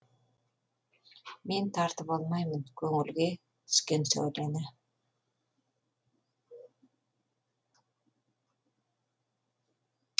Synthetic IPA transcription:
ment̪ʰɑɾt̪ɯpɑlˠmɑjmɯnkʰɵŋylɡe | ʃkensø̰lene

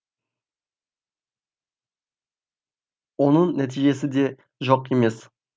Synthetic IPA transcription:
wonəɴnæt̪ʰiʒe̞sɪd̪e̞ | ʒoqeme̞s

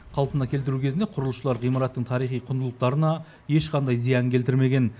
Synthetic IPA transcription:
qʰɑlˠpənɑkʲʰe̞lt̪̬ɪɾukʲʰe̞znd̪eqʰʊɾəlˠəʃəlˠɑɾʁijmɑɾɑt̪ːəɴt̪ʰɑɾijχijqʰʊnd̪əlˠəq̚t̪ɑɾənɑ | je̞ʃqʰɑnd̪ɑjzijɑŋkʲʰe̞lt̪ɪɾme̞ɡʲe̞n

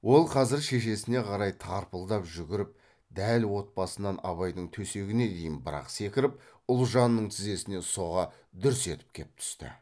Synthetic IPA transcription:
wo̞lˠqʰɑzɪɾʃe̞ʃe̞sɪne̞qʰɑɾɑjt̪ʰɑɾpəlˠd̪ɑpʒʏɡʲɪɾɪp̚ | d̪ælwo̞t̪̚pɑsənɑnɑβɑjd̪əɴt̪ʰɵse̞ɡʲɪne̞d̪e̞jɪnbəɾɑ̰qse̞kʲɪɾɪp̚ʊlˠʒɑnːəɴt̪ʰɪze̞sɪne̞so̞ʁɑ | d̪ʏɾʏse̞t̪ɪ̥p̚kʲʰe̞̰ɪp̚t̪ʰʏ̥st̪ɪ̰

